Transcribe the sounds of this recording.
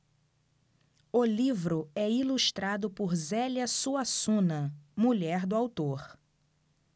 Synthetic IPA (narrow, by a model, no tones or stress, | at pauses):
ʊlivɾʊɛiluʃt̪ɾad̪ʊpʊɾzɛljɐsuasũnɐmuʎɛɾd̪ʊawt̪oɾ